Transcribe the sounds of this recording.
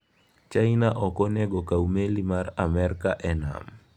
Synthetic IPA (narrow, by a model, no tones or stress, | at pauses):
t͡ʃajnaʔɔkɔnɛɡɔkawmelimaramɛrkaʔɛna̰m